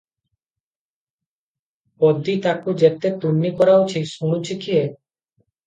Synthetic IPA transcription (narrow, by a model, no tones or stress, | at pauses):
ɔd̪it̪akud͡ʒet̪et̪unːikɔɾaut͡ʃʰisuɽ̃ut͡ʃʰikʰie